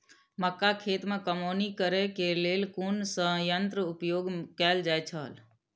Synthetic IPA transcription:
məkːakʰeːt̪mekəmoːnikəɾekeleːlkunsə̃ɦjənt̪ɾəupjoːɡkɛːld͡ʒajt͡ʃʰəl

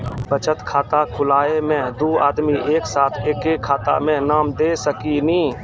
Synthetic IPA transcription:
bət͡ʃət̪kʰaːt̪akʰʊlaːemẽd̪uːa̰ːd̪miʔeːksaːt̪ʰeːkekʰːaːt̪a̰mẽnaːmd̪eːsəkinĩː

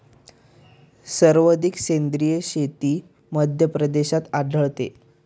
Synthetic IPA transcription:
səɾʋəd̪iksend̪ɾijəɕet̪iː | məd̪ʱjəpɾəd̪eɕat̪aɖʱəɭt̪e

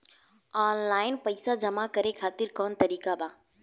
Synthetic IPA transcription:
aːnlaːɪnpɐɪsad͡ʒɐmakɐɾekʰaːt̪ɪɾkɔːnt̪ɐɾiːkabʱaː

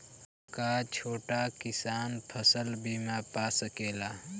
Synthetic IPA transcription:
kaːt͡ʃʰoːʈakɪsaːnpʰəsəlbʱiːmãpaːsəkeːlaː

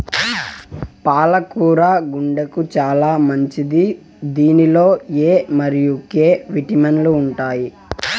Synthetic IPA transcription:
paːlɐkuːɾaːɡuɳɖɐkut͡ʃaːlaːmɐɲt͡ʃid̪i | d̪iːnilo̞ːeːmɐɾijukeːʋiʈimɐnluːɳʈaːji

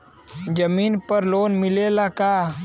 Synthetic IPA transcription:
d͡ʒəmiːnpəɾloːnmɪlelakaː

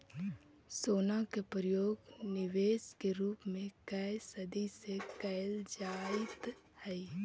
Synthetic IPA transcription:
soːnakepɾəjoːɡnɪʋeːskeɾuːpmẽkɛɪsəd̪ʱisekɛɪld͡ʒaːɪt̪ | hɛi

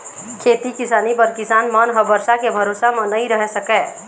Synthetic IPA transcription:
kʰeːt̪ikɪsaːnibəɾkɪsaːnmənɦəbəɾsakebʱəɾoːsamə̃nəĩɾəɦɛsəkɛ

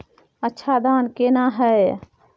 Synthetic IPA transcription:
ətːʃʰad̪aːnkeːnaɦɛ

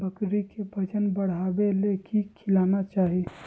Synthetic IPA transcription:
bəkɾikebʱəd͡ʒənbəɽ̤aːbelekikʰɪlaːnat͡ʃaːɦi

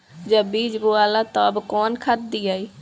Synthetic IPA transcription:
d͡ʒəbiːd͡ʒboaːlaːt̪ãəbkɔːnkʰat̪̚d̪iːaːiː

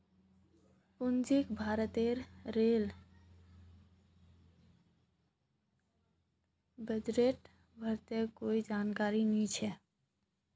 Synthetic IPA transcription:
pʊnd͡ʒikbʱaːɾət̪eɾːel | bəd̪ɾeʈ | bʱəɾt̪ekoːid͡ʒaːnkaːɾinit͡ʃʰɛ

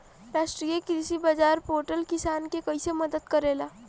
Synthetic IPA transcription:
ɾaʂʈɾijekɾisibad͡zaɾpoɾʈəlkisankekəjseməd̪ət̪kəɾela

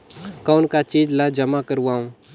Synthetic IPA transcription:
kaːnkat͡ʃiːd͡ʒlad͡ʒɐmakəɾwaːũ

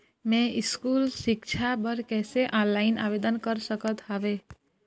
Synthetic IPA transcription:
mɛ̃iskulʃɪkt͡ʃʰabəɾkɛseʔɔ̃laina̰ʋed̪ənkəɾʃəkət̪ɦaʋe

